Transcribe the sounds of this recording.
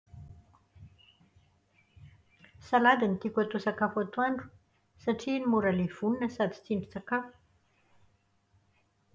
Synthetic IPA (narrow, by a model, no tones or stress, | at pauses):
salad̪anit̪ikʲat̪usakafat̪uaɳɖ͡ʐu̥ | saʈ͡ʂinimuɾalev̥uninəsad̪it͡siɳɖ͡ʐit͡sakafu̥